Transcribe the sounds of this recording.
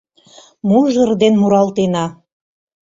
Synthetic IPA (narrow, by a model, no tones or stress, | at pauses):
muʒərd̪enmuɾɑlt̪enɑ